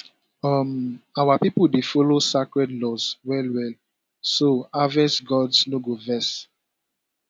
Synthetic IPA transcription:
ɔmawapipuldefɔlosakɹɛdlɔswɛlwɛl | soavɛsɡɔdsnoɡovɛs

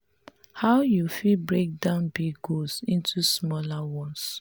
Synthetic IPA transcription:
haʊjufilbɹek̚dãʊ̃nbiɡɡolsĩntʰusmɔlawɔ̃ns

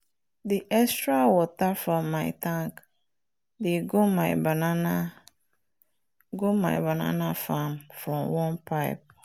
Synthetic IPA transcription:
diʔɛstɹawɔtafɹɔ̃mːaɪtʰãŋk | deɡomaɪbanãna | ɡomã̰ɪbanã̰nãfãmfɹɔ̃mwɔ̃npʰaɪ̰p̚

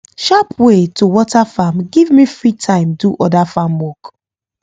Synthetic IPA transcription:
ʃapʰwetʰuwɔtafamɡivmifɹitʰãɪ̃mduʔɔdafamwɔk

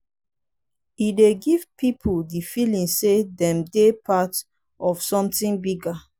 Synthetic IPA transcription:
ideɡiv̥pipʰuldifilĩŋsedɛ̃mdepʰat | ʔɔfsɔ̃mtĩŋbiɡa

